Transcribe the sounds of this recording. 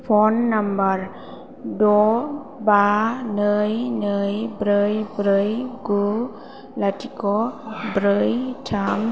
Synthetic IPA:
pʰɔnːambaɾ | dɔ | banɯjnɯjbɾɯjbɾɯjɡu | latʰikɔbɾɯjtʰam

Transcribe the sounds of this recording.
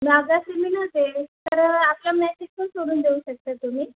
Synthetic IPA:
miaɡasimiːnəd̪elt̪əɾapljamlasik̚pənsoɽ̃uːnd̪euɕək̚t̪əːt̪um̤iː

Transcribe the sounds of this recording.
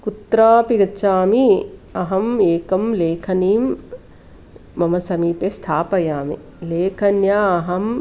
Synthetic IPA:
kut̪ɾaːpiɡɐt͡ʃaːmiɐɦɐmeːkɐmleːkʰɐniːm | ɐmɐsɐmiːpest̪ʰaːpɐjaːmḭ | leːkʰɐnjaɐɦɐm

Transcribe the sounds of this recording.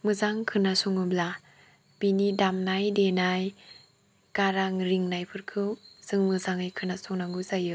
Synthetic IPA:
mɯzaŋkʰɯnasuŋɯbla | b̥inidamnajdenaj | kaɾaŋɾiŋnajpʰɯɾkʰɯwz̥ɯŋmɯzaŋɯjkʰɯnasɔŋnaŋɡɯzajɯ

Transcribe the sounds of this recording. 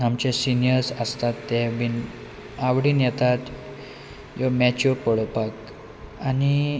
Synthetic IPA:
amt͡ɕesinijəɾsəst̪at̪ːɛʋin | aʋɽiːnjɛt̪at̪ | jɔmɛt͡ɕopəɽpak | ani

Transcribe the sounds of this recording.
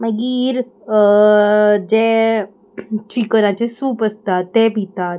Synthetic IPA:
məɡiɾə | d͡ʑe | t͡ɕikəɾãt͡ɕesuːpəst̪at̪ːepit̪at̪

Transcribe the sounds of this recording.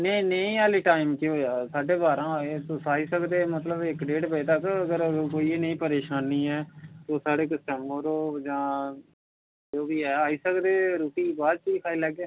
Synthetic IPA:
neĩːneĩːaːliːʈaːɪmkiɦoːjaːsaːɖeːbaːɾãːɦoeːt̪ʊsaːiːsəkd̪eːmət̪ləbɪkɖeːʈpeeːt̪əkəɡəɾkoːiːeːnəĩːpəɾeːʃaːniːɛːt̪oːsaːɖeːkəsʈɛ̃mbəɾoːd͡ʒãː | d͡ʒoːbiːɛːaːiːsəkd̪eːɾuːʈiːbaːd̪̚t͡ʃiːkʰaːiːlɛːɡeː

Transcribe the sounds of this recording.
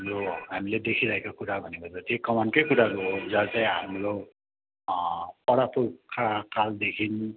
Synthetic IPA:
mɹoamilɛdekʰiɾajkɔkudabʱɔnibɔzɔdiɛkɔmankɔjkudaɡɔzasɛamɹo | pɔɹapukʰakaldekʰin

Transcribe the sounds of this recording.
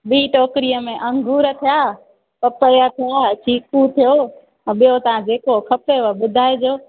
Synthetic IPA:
ɓiːʈɔːkɾijəmẽʔɐ̃ŋɡʱuːɾət̪ʰijaː | pɐpəjət̪ʰijat͡ʃʰiːkut̪ʰijo | ɓijot̪ɐʋ̤ãd͡ʑeːkokʰɐpeʋəɓʊd̪ʱaːed͡ʑoː

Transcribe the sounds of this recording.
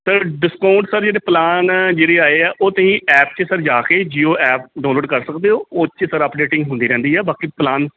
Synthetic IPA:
səɖɪskaːʊɳʈsəɾd͡ʒeːɽeːplaːnd͡ʒeːɽeːaːeːɛːʔoːt̪ɦĩːɛːp̚t͡ʃəsəɾd͡ʒaːkeːd͡ʒiːoːʔɛːp̚ɖãːloːɖkəɾsəkd̪eːoːoːt͡ʃəsəɾəpɖeːʈɪ̃ŋɡɦʊ̃nd̪iːɾɛ̃ːnd̪iːɛːbaːkiplaːn

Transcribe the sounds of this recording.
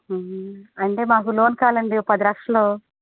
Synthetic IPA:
ɐɳʈeːmaːkulo̞ːnkaːlɐɳɖipɐd̪ilɐkʂɐloː

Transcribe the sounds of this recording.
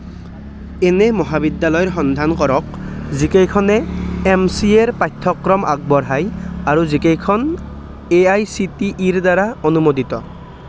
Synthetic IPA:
ɛnɛmɔɦabid̪jalɔjɔɹxɔnd̪ʱankɔɹɔk̚zikejkʰɔnɛɛmsieɹpajt̪ʰːɔkɹɔmʔa̰k̚bɔɹɦajaɹuzikejkʰɔn | eajsitiʔːɹd̪aɹaonumodit̪ɔ

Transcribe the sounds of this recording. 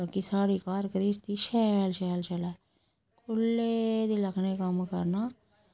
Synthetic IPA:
kisaːɽikaːɾkɾiːst̪iʃɛlʃɛːlʃɛla | kʰʊlːed̪ilɐkʰnekəmkə̰ɾna

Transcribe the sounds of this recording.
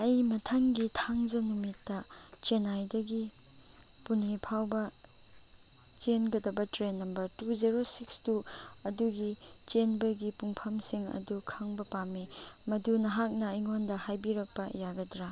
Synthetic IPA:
ɐjmɐtʰɐŋɡitʰaŋd͡ʒɐnumitːɐ | t͡ʃenajdɐɡi | punipʰawbɐ | t͡ʃenɡɐdɐbɐtɾenːɐmbɐɾtuziɾosikstuɐduɡit͡ʃenbɐɡipuŋpʰɐmsiŋɐ̰dukʰɐŋbɐpami | mɐdunɐɦak̚nɐijŋondɐhajbiɾɐk̚pɐjaɡɐdɾa

